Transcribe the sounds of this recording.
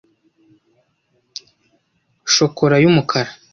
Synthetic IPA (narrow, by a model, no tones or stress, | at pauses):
ʃo̞kʰo̞ɾajumukʰaɾa